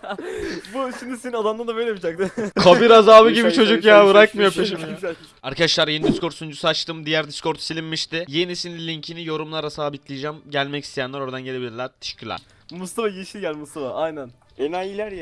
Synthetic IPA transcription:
buʃimd̪iseninad̪and̪and̪abejlʲemid͡ʒak̚d̪ɪkʰabiɾazaːbɯɟibit͡ʃʰo̞d͡ʒukjaːbɯɾakmɯjo̞pʰeʃimij | aɾkʰad̪aʃlˠaɾje̞nid̪iskʰoɾt̪sund͡ʒusat͡ʃt̪ʰɯmd̪ijæɾd̪iskʰo̞ɾt̪ʰu̥silʲimːiʃt̪ɪje̞nisinlʲilʲiɲcʰinijo̞ɾumlˠaɾasaːbit̪lʲijd͡ʒamɟælʲmɛcʰi̥st̪ʰejænlˠaɾo̞ɾad̪anɟe̞lʲeilʲiɾlʲæɾt̪ʰe̥ʃi̥cʲʰylʲæ̰ɾ̥ | must̪ʰafajiʃilʲɟælʲmust̪afaʔajnæn | enajilʲæɾja

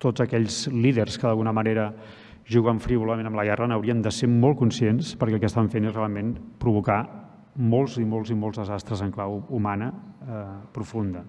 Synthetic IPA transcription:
t̪ozəkɛʎzliðərskəðəlˠɣunəməneɾə | ʒuɣəɱfɾiβuləmẽnəmləɣɛranəwɾiənd̪əseɾmɔlˠkunsienspəɾkɛlˠkəst̪aɱfenezrealˠmenpɾuβ̞uka | molˠzimolˠzimolˠzðəzast̪ɾəzəŋklawumanə | pɾufund̪ə

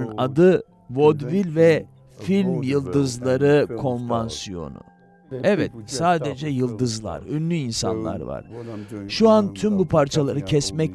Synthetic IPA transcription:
nad̪ɯ | vo̞d̪vilʲvɛ | filʲmjɯlˠd̪ɯzlˠaɾɯkʰo̞nvansijo̞̰nʊ̰ | ɛvɛt̪̚saːd̪ed͡ʒɛjɯlˠd̪ɯzlˠa̰ɾønːʲyinsa̰nlˠa̰ɾva̰ɾ̥ʃuant̪ʰymbupʰaɾt͡ʃʰalˠaɾɯcʰɛsmɛ

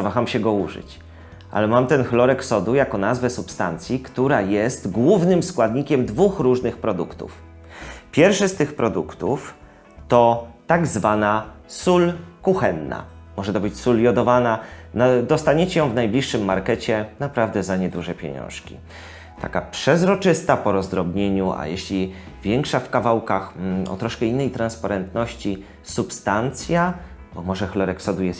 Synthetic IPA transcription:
zavaxamɕɛɡɔuʐɘ̰t͡ɕ | ʔa̰lɛmamt̪ɛnxlɔɾɛksɔd̪ujakɔnazvɛsupst̪a̰nt̪sʲjikt̪uɾajɛst̪ɡwuvnɘmskwad̪ɲikʲɛmd̪vuxɾuʐnɘxpɾɔd̪ṵkt̪ṵf | pʲjɛɾfʂɘst̪ɘxpɾɔd̪ukt̪uf | t̪ɔt̪aɡzvanasulkuxɛnːa̰mɔʐɛt̪ɔbɘt͡ɕsuljɔd̪ɔvanaad̪ɔst̪aɲet͡ɕɛjɔ̃w̃vnajblʲiʂːɘmːaɾkɛt͡ɕɛnapɾavd̪ɛzaɲɛd̪uʐɛpʲjḛɲɔ̰̃w̃ʂkʲḭ | t̪a̰kapʂɛzɾɔt͡ʂɘst̪apɔɾɔzd̪ɾɔbɲeɲuʔa̰jɛɕlʲi | vʲjɛŋkʂafkavawkaxɔ̰t̪ɾɔʂkɛinːɛjt̪ɾanspaɾɛnt̪nɔɕt͡ɕi | supst̪ant̪sʲja | bɔmɔʐɛxlɔɾɛksɔd̪ujɛs

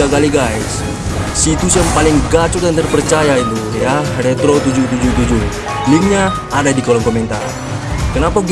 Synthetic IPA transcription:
akaliɡajsː | it̪usapalɪŋɡat͡ʃuk̚dant̪ərpərt͡ʃajait̪ujarɛt̪ɾot̪ud͡ʒut̪ud͡ʒut̪ud͡ʒu | lɪŋɲaː | dadikɔlɔŋkɔmɛnt̪a̰r | kənapaɡ

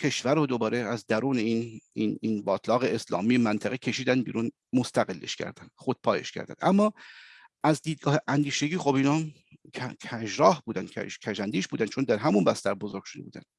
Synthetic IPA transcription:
cʰe̞ʃvæɾod̪obɒːɾeæzd̪æɾuːneiːnininbɒːt̪ʰlɒːɣeeslɒ̰ːmiːemænt̪ʰæɣecʰe̞ʃiːd̪ænbḭːɾun | most̪ʰæɣelːḛʃcʰæ̰ɾd̪ænd̪̥χod̪̥̚pʰɒːje̞̰ʃcʰæ̰ɾd̪æ̰nd̪ʔæmːɒː | æzd̪iːd̪̚ɡɒːheʔænd̪iːʃeɡʲiːxobiːnɒː | kʰæʒɾɒːhbuːd̪ænd̪cʰæ̰ʒcʲʰæʒænd̪iːʃbuːd̪ænt͡ʃʰo̞nd̪æɾɦæmunbæst̪æɾbozoɾɡ̥ʃoe̞buːd̪æ̰nd̪̥

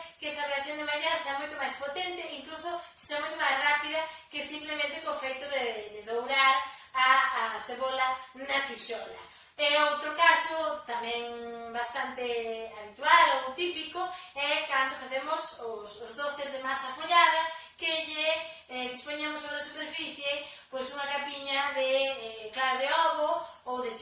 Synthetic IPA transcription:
kɛsɐrelaθjoŋd̪emaɾiaðɐseamojt̪ʊmajspot̪ent̪ɪiŋklusose̥ʃamojt̪omajzrapiðɐkesimplemẽnt̪ekõfejt̪ʊðed̪ɪðowɾaɾ | aːθeβolɐnapiʃɔlɐ̰ | ɛowt̪ɾokasot̪amɛ̃ŋbast̪ant̪eaβit̪ualowt̪ipikoɛkand̪ofaθemʊsosʊzðoθezðemasafoʎaðɐkɪʎɪ | ðispoɲemʊsoβɾasupeɾfiθje | pojsuŋɐkapiɲɐðeklaɾaðeɔβoowðe

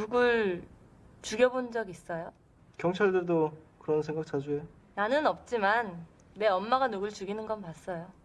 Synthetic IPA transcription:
nuɡɯɭ | t͡ɕuɡjʌbond͡ʑʌɡis͈ʌjo | kjʌŋt͡ɕʰaɭdɯɭdokɯɾʌnsʰeŋɡak̚t͡ɕad͡ʑue | nanɯnʌp̚t͡ɕ͈iman | me̞ʌmmaɡanuɡɯɭt͡ɕuɡinɯnɡʌnpas͈ʌjo

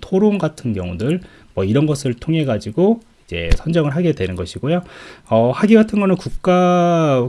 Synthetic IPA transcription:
tʰoɾonɡatʰɯnɡjʌ̰ŋudɯɭ | mwʌiɾʌnɡʌsʰɯɭtʰoŋɦe̞ɡad͡ʑiɡo | id͡ʑe̞̰sʰʌnd͡ʑʌŋɯɭɦaɡedwe̞nɯnɡʌɕʰiɡojoʌhaɡiɡatʰɯnɡʌnɯnkuk̚k͈a

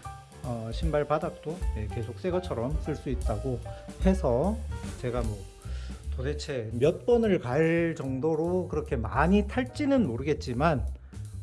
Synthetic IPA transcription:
ʌɕʰimbaɭpadak̚t͈oje̞ke̞sʰok̚s͈e̞ɡʌt͡ɕʰʌɾʌms͈ɯɭs͈uit̚t͈aɡohe̞sʰʌt͡ɕe̞ɡamwʌ | tode̞t͡ɕʰe̞mjʌt̚p͈ʌnɯɭkaɭt͡ɕʌŋdoɾokɯɾʌkʰe̞maɲitʰaɭt͡ɕ͈inɯnmoɾɯɡe̞t̚t͡ɕ͈iman

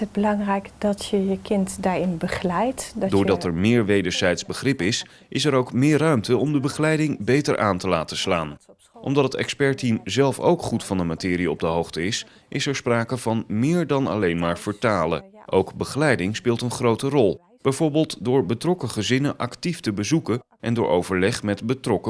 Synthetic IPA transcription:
ət̚bəlɑŋrɛjkdɔtjəjəkʰɪntdaɹɪnbəχlɛjtddʊːɹdɑtɛɹmɪːɹʋejdəɹzɛjtzbəχrɪpɪs | ʔɪsɛɾowkmɪːɹrœɥmtəɔmdəbəχəlɛjdɪŋbejtəɹʔa̰ːntəlaːtəslaːn | ʔɔ̰mdɑtətɛ̰kspɛɹtimzɛlˠfo̰wkχutfɑndəmatɪːɾiɔb̚dəɦowχtəɪs | ʔɪsɛɹspraːkəv̥ɑnmɪːɹdɑnɑ̰lejnmaːɹvəɹtaːlə̰ʔowkbəχəlɛjdɪŋspɪːlˠtənχrowtərɔlˠ | b̥ɛjvʊːɹbɪːlˠtdʊːɹbətrɔkəχəzɪnəʔɑktiftəbəzukə | ʔɛndʊːɹʔowvəɹlɛχmɛtbətrɔkə

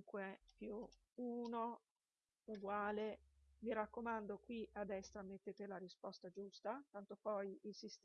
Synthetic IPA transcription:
ŋkwepju | uːno | uɡwaːleviɾakːomand̪okwiʔad̪ːɛst̪ɾamet̪ːet̪elaɾispɔst̪ad͡ʒust̪at̪ant̪opɔjilsist̪

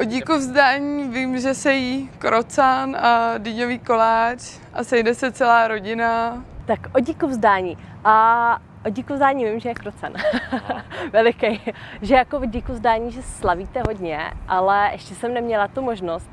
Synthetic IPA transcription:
ʔoɟikuvzdaːɲiːvimʒɛsɛjikɾot͡sanadiɲoviːkolaːt͡ʃ | ʔasɛjdɛsɛt͡sɛlaːɾo̞ɟɪnat̪akʔoɟikuvzdaːɲiːʔa | ʔoɲikuvzdaːɲiːvɪmʒɛjɛkɾot͡san | vɛlɪkɛjʒɛjakovɲikuvzdaːɲiːʒɛsɛ̥slaviːt̪ɛɦo̞dɲɛ̰ʔalɛʔɛʃcɛsɛmnɛmɲɛlat̪umoʒnost̪

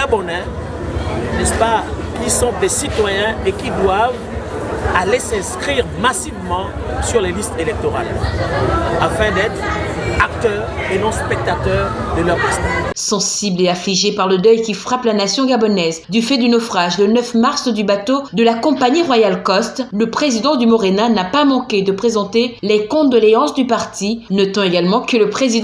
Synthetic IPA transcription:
abɔnɛ̃ | nɛspa | kisɔ̃d̪esit̪wajɛ̃ekid̪wav | alesɛ̃skχiʁmasivmɑ̃ | syʁlelist̪elɛk̚t̪ɔʁa̰l | afɛ̃d̪ɛt̪χak̚t̪œʁenɔ̃spɛk̚t̪at̪œːʁd̪əlœʁlist̪sɑ̃sibleafliʒepaʁləd̪œjkʲifχaplanasjɔ̃ɡabɔnɛzd̪yfɛd̪ynɔfχaʒlənœfmaʁsd̪ybat̪od̪əlakɔ̃paɲiʁwajalkɔst̪ləpχezid̪ɑ̃d̪ymɔʁenanapamɑ̃kʲed̪əpχezɑ̃t̪elɛkɔ̃d̪ɔleɑ̃sd̪ypaʁt̪inɔt̪ɑ̃eɡalmɑ̃kələpχezid̪

